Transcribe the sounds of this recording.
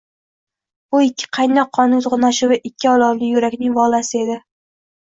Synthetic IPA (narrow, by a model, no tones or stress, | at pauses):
bʊɪkʲʰːɪ̥qʰɑjnɒqʰːɒnʊzʁʊnaʃɪvɪʔɪkʲʰːɪɒlˠɒɾlɪjʊɾakʲnɪŋvɒlˠasɪe̞d̪ɪ